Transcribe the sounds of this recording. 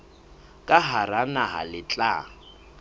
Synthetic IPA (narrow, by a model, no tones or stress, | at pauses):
kʼaɦaɾanaɦa̰lɪt͡ɬʼa̰ː